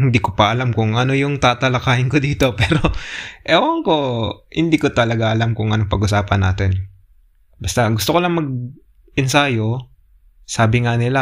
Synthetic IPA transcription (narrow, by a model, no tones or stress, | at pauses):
hɪnd̪ikopɐʔɐlamkʊŋʔɐno̞jʊŋt̪aːt̪ɐlɐkaːhɪŋkod̪iːt̪o̞pɛːɾoʔɛwɐŋko̞hɪnd̪iːkot̪ɐlɐɡaʔɐlamkʊŋʔɐnoŋpɐɡʔʊsaːpɐna̰ːt̪ɪn | bɐst̪aɡʊst̪okolɐŋmɐɡ̚ | ɪnsaːjo | saːbɪŋanɪla